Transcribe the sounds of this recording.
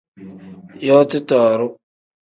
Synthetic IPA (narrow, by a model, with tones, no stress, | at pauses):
jɔ˦tɪ˦tɔː˨ɾʊ˦